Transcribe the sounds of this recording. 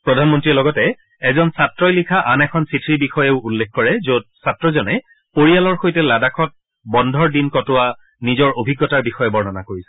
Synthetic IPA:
pɹɔdʱanmɔntɹilɔɡɔtɛ | ɛzɔnsatɹɔjlikʰaʔanɛkʰɔnsitʰɹibixɔjeʊulːekʰkɔɹɛzot̚satɹɔzɔnɛ | poɹialɔɹxojtɛladakʰɔt̚ | bɔndʱɔɹdinkɔtʊwa | nizɔɹobʱiɡːɔtaɹbixɔjɛbɔɹnɔnakoɹisɛ̥

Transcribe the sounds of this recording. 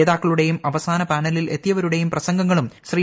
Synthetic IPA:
eːðaːkːɐɭuɽe̞jumɐʋɐsaːnɐpaːnɐlile̞t̪ːijɐʋɐɾuɽe̞jumprɐsɐŋɡɐŋːɐɭumɕriː

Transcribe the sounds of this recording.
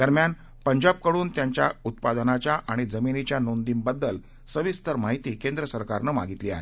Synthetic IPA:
d̪̥əɾmjan | pəɲd͡ʑab̚kəɽuːnt̪jaɲt͡ɕjaut̪̚pad̪ənat͡ɕjaʔaɽ̃id͡zəminit͡ɕjanond̪iːmbəd̪ːəl | səʋist̪əɾmaɦit̪iːkẽnd̪ɾəsəɾkaɾnəma̰ɡʱit̪lia̰ɦḛ

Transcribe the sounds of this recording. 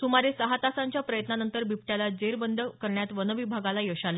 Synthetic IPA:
sumaɾesəɦat̪asaɲt͡ɕjapɾəjət̪nanənt̪əɾbipʈjalad͡ʑeɾbənd̪ʱəkəɾɳjat̪ʋənəʋibʱaɡalajəɕalə

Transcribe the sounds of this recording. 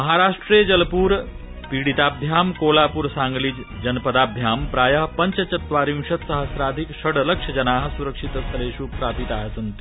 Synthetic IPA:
mɐɦaɾaːʂʈɾed͡ʑɐlpuːɾ | piːɽit̪aːbʱjaːmkoːlapuːɾsãŋɡliːd͡ʑ | d͡ʒɐnpəd̪aːb̪ʱjaːmpɾaːjəɦpɐɲt͡ɕət͡ɕɐt̪ʋaːɾiŋʃɐt̪sɐɦəsɾaːd̪ʱikʃɐɽlɐkʂɐd͡ʒɐnaːɦsuɾəkʂit̪əst̪ɾeːʃuːpɾapit̪aɦsɐnt̪i̥

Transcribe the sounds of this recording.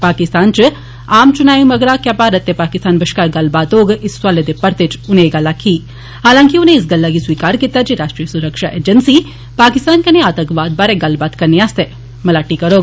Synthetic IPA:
paːkist̪aːnt͡ʃɨ | aːmt͡ʃunaːjumɐɡɾaːkjaːpaɾɐt̪ːepaːkist̪aːnbɐʃkaːɾɡɐlbaːt̪oːɡisːʋɐled̪epɐɾt̪et͡ʃuneːɡɐlːakʰiː | ɦaːlaːŋkiuneisɡɐlːaɡisʋiːkaːɾkit̪ːad͡ʒiɾaːʂʈɾiːjɐsuɾɐkʂaʔeːd͡ʒɐnsi | paːkist̪aːnkɐneaːt̪ɐkʋaːd̪̚baːɾeɡɐlbaːt̪kɐnijaːst̪e | mɐlaːʈikɐɾoːɡ

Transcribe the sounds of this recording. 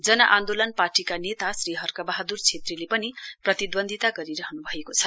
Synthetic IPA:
d͡zʌnʌʔãnd̪olʌnparʈikanet̪asriɦʌrkabʌɦad̪urt͡sʰet̪rilepʌniprʌt̪id̪bʌnd̪ʱit̪aɡʌɾiɾʌɦʌnubʱʌekot͡sʰʌ̥

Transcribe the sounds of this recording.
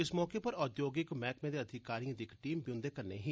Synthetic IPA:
ɪsmɔːkeːpəɾɔːd̪joːɡɪkmɛːkmẽːd̪eːəd̪ʱɪkaːɾiə̃d̪ɪkʈiːmbiʊ̃nd̪eːkəɾnḛːɦiː

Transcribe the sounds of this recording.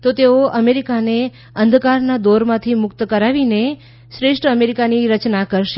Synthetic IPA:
t̪ot̪eoəmeɾikane | ənd̪ʱkaɾnad̪oɾmãt̪ʰimʊkt̪kəɾaʋine | ʃɾeʂʈəmeɾikaniɾət͡ʃnakəɾʃe

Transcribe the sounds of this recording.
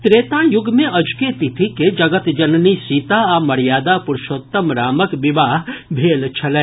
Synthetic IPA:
t̪ɾeːt̪ãjʊɡmẽʔɐd͡ʒket̪ɪt̪ʰiked͡ʒɐɡət̪d͡ʒɐnnisiːt̪aamɐɾjaːd̪apʊɾʃoːt̪ːəmɾaːməkʋɪʋaːɦbʱeːlt͡ʃʰɐleː

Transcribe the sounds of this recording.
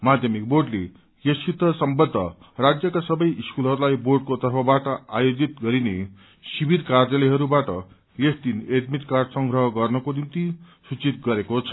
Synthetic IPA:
mad̪ʱjʌmik̚borɖlḛ | jesit̪ʌsʌmbʌd̪ʱːʌ̰ | rad͡zjʌkasʌbʌjʔiskulɦʌɾulajborɖ̚kot̪ʌrpʰʌbaʈʌa̰jod͡zit̪ɡʌɾine | sibirkarjʌlʌɦʌɾubaʈʌ̰ | esd̪inet̪mit̪karsʌŋɡɾʌɦʌɡʌrnʌkonimt̪i | sut͡sit̪̚ɡʌɾekot͡sʰʌ̥

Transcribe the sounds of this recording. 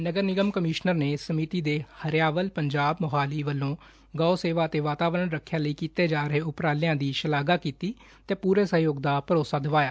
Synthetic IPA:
nəɡəɾnɪɡəmkəmɪːʃnəɾneːsəmiːt̪iːd̪eːhəɾjaːʋəlpəɲd͡ʒaːbməɦaːliːʋəlːõː | ɡaːoseːʋaːət̪eːʋaːt̪aːʋɾəɳɾəkʰːjãːləiːkiːt̪eːd͡ʒaːɾəɦeːʊpɾaːlɪjãːd̪iːʃəlaːɡaːkiːt̪iː | t̪eːpuːɾeːsəɦjoːɡ̚d̪aːpəɾoːsaːd̪əʋaːjaː

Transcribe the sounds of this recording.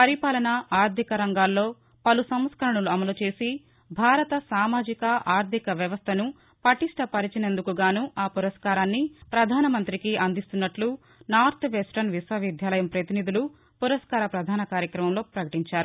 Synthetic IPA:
pɐɾipaːlɐnɐaːɾd̪ʱikɐɾɐŋɡaːlːo̞ː | pɐlusɐmskɐɾɐɳɐluɐmɐlut͡ʃe̞ːsi | bʱaːɾɐt̪ɐsaːmaːd͡ʒikɐʔaːɾd̪ʱikɐʋjɐʋɐst̪ʰɐnu | pɐʈiʂʈɐpɐɾit͡ʃinend̪ukuɡaːnuaːpuɾɐskaːɾaːnːipɾɐd̪ʱaːnɐmɐnt̪ɾikiʔɐnd̪ist̪unːɐʈlu | naːɾt̪ʰʋesʈɐnʋisʋwɐʋid̪ʱjaːlɐjɐmpɾɐt̪inid̪ulu | puɾɐskaːɾɐpɾɐd̪ʱaːnɐkaːɾjɐkɾɐmɐmlo̞ːpɾɐkɐʈiɲt͡ʃaːɾu

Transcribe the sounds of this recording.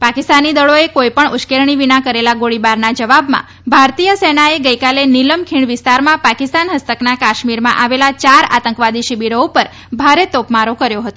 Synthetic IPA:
pakist̪anid̪əɭoekojpəɳʊʃkeɾɳ̃iʋinakəɾelaɡoɭibaɾnad͡ʒəʋabmã̰ | bʱaɾt̪ijəsenaeɡəjkaleniləmkʰiɳʋɪst̪aɾmãpakɪst̪anɦəst̪əknakaʃmiɾmã̰ʔaʋelat͡ʃaɾa̰t̪əŋkʋad̪iʃibiɾoupəɾ | bʱaɾet̪opmaɾokəɾjoɦət̪o

